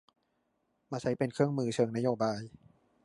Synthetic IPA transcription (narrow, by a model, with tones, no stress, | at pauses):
maː˧t͡ɕʰa˦˥jpe˧nkʰɯ˥˩əŋmɯː˦˥t͡ɕʰɤː˧ŋna˦˥joː˧baː˧j